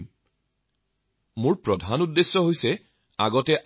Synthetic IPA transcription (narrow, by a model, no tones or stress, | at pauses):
mʊɹpɹɔdʱanudːesːɔɦojsɛ | aɡɔtɛʔ